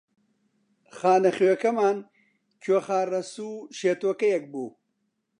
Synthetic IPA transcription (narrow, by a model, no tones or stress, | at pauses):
χaːnɐχwekɐmaːn | kʰwɐχaːrɐsuːɕeːt̪wɐkɐjɐk̚buː